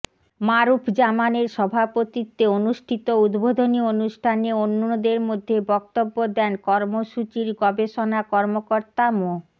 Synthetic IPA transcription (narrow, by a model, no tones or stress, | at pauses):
maɾupʰd͡ʑamaneɾʃɔbʱapot̪it̪ːeonuʃʈʰit̪oud̪bʱod̪ʱonionuʃʈʰaneonːood̪eɾmod̪ʱːebɔk̚t̪obːod̪ɛnkɔɾmoʃut͡ɕiɾɡɔbeʃonakɔɾmokoɾt̪amo